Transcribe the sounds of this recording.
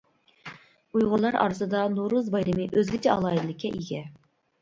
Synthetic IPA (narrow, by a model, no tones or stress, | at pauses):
ujʁʊɾlˠɑɾɑ̰ːɾɨsɨd̪ɑnuɾuzbɑjɾɪmɨʔøzɡʲit͡ʃʰɛɑlˠɑjid̪lˠɪkʲʰːɛʔiɡʲɛ